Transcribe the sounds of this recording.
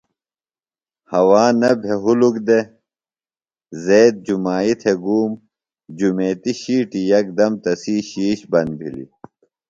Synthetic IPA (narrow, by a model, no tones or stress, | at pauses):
hɐwaːnɐbʱeɦulukd̪e | zeːd̪̚d͡ʑumaːit̪ʰeɡuːm | d͡ʑumeːt̪iɕiːʈijɐk̚d̪ɐmt̪ɐsiːɕiːɕbɐnbʱḭlḭ